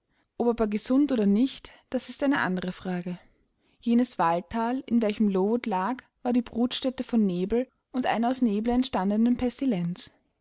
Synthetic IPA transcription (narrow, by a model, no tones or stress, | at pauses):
ʔopabɐɡəzʊntʔoːdɐnɪçtd̥asɪstʔaɪnəʔa̰ndəʁəfʁ̥aːɡə | jeːnəsv̥altʰːaːlɪnvɛlçəmloːtlaːkv̥aːɐdiːbʁuːtʃtɛtəfɔnːeːbl̩ | ʊntʔa̰ɪnɐaʊsneːbl̩ɛntʃtandənənpʰɛstilɛnt͡s